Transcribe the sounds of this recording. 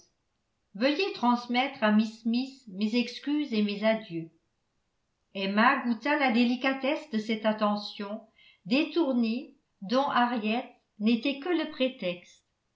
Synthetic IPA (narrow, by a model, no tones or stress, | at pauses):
vəjet̪χɑ̃smɛt̪χamismismezɛkskʲyzemezad̪jø | ɛmaɡut̪alad̪elikat̪ɛsd̪əsɛt̪at̪ɑ̃sjɔ̃ | d̪et̪uʁne | d̪ɔ̃ʔaʁjɛt̪̚ | net̪ɛkələpχet̪ɛkst̪